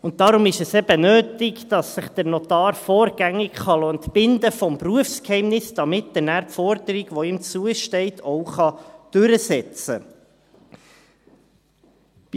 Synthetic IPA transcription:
ʊnt̚d̥ɑɾʊmɪʃɛsɛb̥ənøːtɪkd̥ɑsːɪχd̥əɾnɔt̪ɑːɾfɔːɾɡæŋːɪkχɑlɔːəntbɪnd̪əfɔmpruəfskhɛɪmnɪsd̥ɑmɪtːdənæːɾpfɔɾd̥əɾɪɡʋɔiːmt͡suəʃtɛɪtʰɔʊχɑd̥ʉɾəsɛt͡sə̰

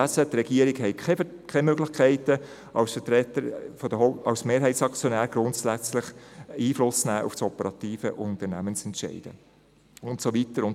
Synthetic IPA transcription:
æsət̪rɛɡ̥iːəɾɪɡhɛɪ | kʰɛmøɡlɪχkʰæɪtə | ʔɑsfətɾɛtəɾfɔd̥̪əɦɑwsmeːɾɦɛɪtsɑkt͡sjonæːɾɡ̥ɾʊntsæt͡slɪχiːflʊst͡snæːʔṵftsɔpəɾɑtiːfəʔʊnt̪ərnæ̰mənt͡sɛntʃɛ̰ɪd̥ə̰ | ʊntsoʋitəɾʊn

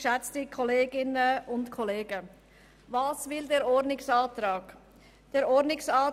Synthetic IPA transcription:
ʃɛt͡stəkʰɔleːɡɪnəʊntkʰɔleːɡə | vɑːsvɪldeːɾɔɾdnɪksɑːtɾɑːɡ̥ | d̥eːɾɔdnɪksɑː

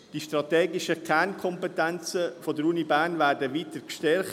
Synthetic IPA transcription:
d̥iʃtɾɑt̪ɛːɡɪʃəkʰɛnkʰɔmpɛtɛnt͡səfodəɾuːnibæːnvæːdəʋiːtəkʃtɛɾχ

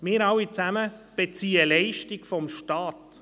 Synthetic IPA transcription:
mɪːɾɑwit͡sæməb̥et͡siːəlɛɪʃtikfɔmʃtɑːt

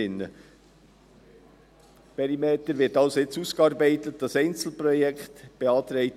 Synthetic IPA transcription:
ɪnːə | pɛɾimeːt̪əɾʋɪːɾtɑlsoɪt͡suskɑːɾbɛɪtət̚d̥ɑsɛɪnt͡sl̩prɔjɛkχt̪b̥eɑːt̪ɾɛɪ

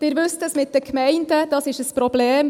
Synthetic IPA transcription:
d̥ɪɾʋʉstəsmɪt̚dəkʰmɛɪndəd̥ɑsɪʃəspɾɔbleːm

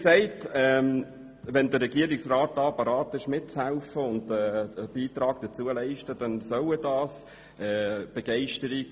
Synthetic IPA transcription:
sɛɪtɛ | ʋɛndəɾɛɡiəɾɪksraːt̚dɑːpɑɾɑːtɪʃmɪt̚t͡shæʊfəʊndɛəb̥iːtɾɑːɡ̥d̥̪ət͡suəlɛɪʃtəd̥ɛnsœlədɑːs | ɛːb̥ɛɡ̥ɛɪʃtəɾiɡ

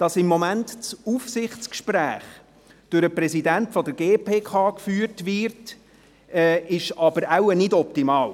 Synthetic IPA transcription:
d̥ɑsɪmːɔmæntt͡sufsɪχtt͡skʃpɾæ̰ːχ | d̥ʊɾəprɛsidæntfɔdəɾɡeːpʰeːkʰɑːkfyːəɾtʋɪɾt | ɛːɪʃɑbəɾæwənɪdɔp̚timɑːl

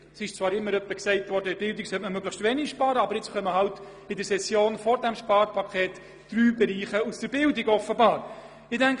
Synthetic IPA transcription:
sɪʃt͡svɑːɾɪmːəɾœpːəksɛɪtʋɔɾdəɪb̥ɪldiksœtməmøɡləχstʋɛnɪʃpɑːɾəɑbəɾɪt͡sχœmːəɦɑwt | ɪdəɾsɛsjoːnfɔɾdæmʃpɑːɾpʰɑkʰχɛːtː | ɾyːbɛɾiːχəusd̥əɾbɪldɪɡɔfəbɑːɾ | ɪdæŋk

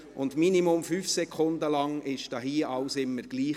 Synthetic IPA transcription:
ʔʊndminimʊmfyːfsɛkʰχʊndəlɑŋɪʃd̥ɑːɦiːʔɑʊsɪmːəɾɡ̥liː

